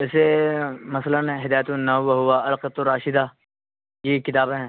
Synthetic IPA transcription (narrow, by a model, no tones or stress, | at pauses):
ɛːsemɐslənɦɪd̪aːjt̪unɐɦʊʋaɦʊaɐlqət̪oɾaːʃɪd̪aː | jekɪt̪aːbẽɦɛ̃ː